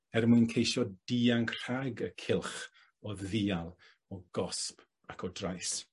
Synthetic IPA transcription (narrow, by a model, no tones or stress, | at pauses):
ɛrmuɨnkʰejʃɔd̥iːaŋkr̥aɡəkʰɪlˠχ | ɔðiːalˠ | ɔɡ̥ɔsp | akʰɔdrajs